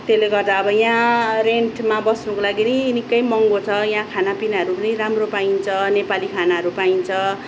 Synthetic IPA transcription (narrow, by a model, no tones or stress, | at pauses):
t̪eleɡʌrd̪aʌbʌjãreɳʈʰmabʌsnʌkolaɡinʌnikːʌjmʌŋɡot͡sʰʌjãkʰanapinaɦʌɾupʌniramropaint͡sʰʌnepalikʰanaɦʌɾupaint͡sʰʌ